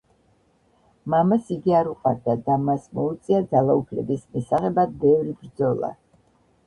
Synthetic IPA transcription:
mamasiɡiaɾuqʼaɾd̪ad̪amasmɔut̪sʼiad̪zalˠaupʰlɛbismisaʁɛbad̪̚bɛvɾibɾd̪zɔlˠa̰

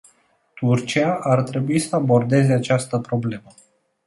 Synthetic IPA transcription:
t̪urt͡ʃiaʔart̪ɾe̞buisəabo̞rd̪e̞ze̞at͡ʃast̪əpɾo̞ble̞mə

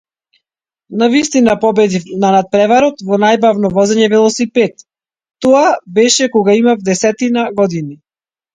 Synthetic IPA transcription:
navist̪inapɔbɛd̪inanat̪̚pɾɛvaɾɔt̪vɔnajbavnɔvɔzɛɲɛvɛlˠɔsipɛt̪ː | ɔabɛʃɛkɔɡaimavd̪ɛsɛt̪inaɡɔd̪ini

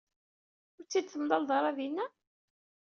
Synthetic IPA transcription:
ʊɾt͡sːid̪̚θəmðɑlðˤɑɾˤɑðinːæ

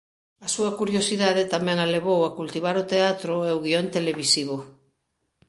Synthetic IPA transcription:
asuɐkuɾjosiðaðet̪amɛ̃ŋaleβ̞owakult̪iβ̞aɾot̪eat̪ɾoeoɣiont̪eleβisiβ̞o

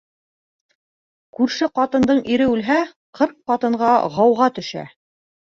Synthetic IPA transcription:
kʉɾʃɘqɑt̪ɤ̆nd̪ɤɴiɾɘʉlɦæ | qɤɾq̚qːɑt̪ɤ̆ɴɢɑʁɑwʁɑt̪ɵ̆ʃæ̰

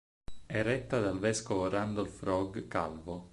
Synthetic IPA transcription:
ɛrɛt̪ːad̪alvɛskovoɾand̪olfɾɔɡka̰lvo

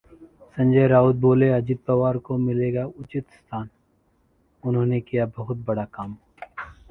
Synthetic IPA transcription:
sɐ̃nd͡ʒəjɾaːʊd̪̚boːleɐd͡ʒɪd̪̚pɐʋaːɾkomɪleːɡaʊt͡ʃɪt̪st̪ʰaːn | ʊnɦõːnekijabɐɦʊt̪̚bɐɽakaːm

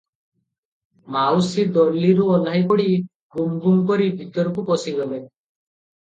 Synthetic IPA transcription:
mawsid̪ɔɾliɾuɔlajpɔɽi | ɡumɡuŋkɔɾibʱit̪ɔɾɔkupɔsiɡɔle

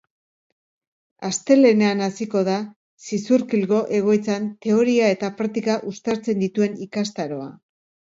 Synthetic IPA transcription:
ast̪e̞le̞ne̞anasiko̞ð̞a | sisuɾkilɣo̞ʔe̞ɣ̞o̞jt͡sant̪e̞o̞ɾiae̞t̪apɾakt̪ikaʔust̪aɾt͡se̞nd̪it̪ue̞nikast̪aɾo̞a̰

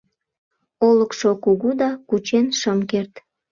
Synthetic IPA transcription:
oləkʃokuɣud̪ɑkut͡ɕenʃəmkert̪

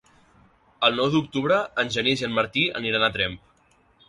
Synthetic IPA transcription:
əlˠnɔwðuk̚t̪uβɾəənʲʒənizenməɾt̪iə̰niɾanət̪ɾɛmp

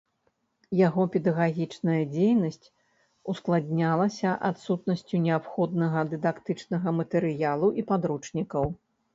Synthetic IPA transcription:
jaɣɔpʲɛd̪ɐɣaɣʲit͡ʂnɐjɐd͡zʲejnɐsʲt͡sʲ | usklˠadʲnʲalˠɐsʲɐʔa̰t̪sut̪̚nɐsʲt͡sʲunʲɛapxɔd̪nɐɣɐd̪ɨd̪akt̪ɨt͡ʂnɐɣɐmɐt̪ɛɾɨjalˠuʔipad̪ɾut͡ʂnʲikɐw

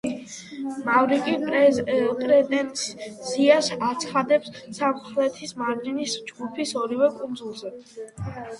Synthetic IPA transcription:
mavɾikʼi | pʼɾɛt̪ʼɛnt̪st̪sʰiasat̪sʰχad̪ɛpssamχlɛt̪ʰismaɾlinisd͡ʒɡupʰisɔɾivɛkʼund̪zulˠzɛ

